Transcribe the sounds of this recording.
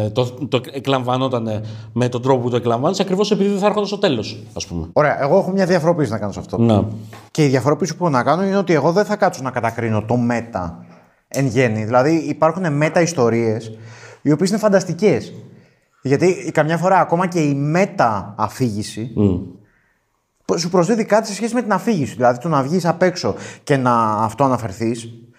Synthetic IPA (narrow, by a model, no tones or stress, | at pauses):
t̪ot̪oeklɐɱvɐno̞t̪ɐnemet̪od̪ɾo̞poput̪oeklɐɱvɐnisɐkɾivo̞se̞piðiðeθɐɾxond̪ɐst̪o̞t̪elo̞s | ɐspumeo̞ɾe̞ɐʔe̞ɣo̞e̞xo̞mɲɐðjɐfo̞ɾo̞pisinɐkɐno̞sɐft̪o̞̰nece̞iðjɐfo̞ɾo̞pisi̥pexonɐkɐno̞ineo̞t̪ie̞ɣo̞ðe̞θɐkɐt̪t͡ssonɐkɐt̪ɐkɾino̞t̪o̞me̞t̪ɐ̰ | e̞nʝe̞niðilɐðiipɐɾxune̞me̞t̪ɐist̪o̞ɾie̞sio̞piesine̞fɐnd̪ɐst̪ice̞s | ʝɐt̪ikɐmɲɐfo̞ɾɐːko̞mɐce̞ime̞t̪ɐːfiʝisi | psupɾo̞zðiðikɐt̪ise̞sçe̞sime̞t̪inɐfiʝisiðilɐðit̪onɐvʝisɐpe̞kso̞ce̞nɐːft̪oɐnɐfe̞ɾθis